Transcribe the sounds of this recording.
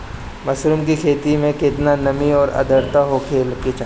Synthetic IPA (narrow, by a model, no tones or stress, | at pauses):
mɐsɾʊmkikʰeːt̪imẽkɪt̪nanɐmiɔːɾɐ̰d̪əɾt̪aɦokʰeːlket͡ʃa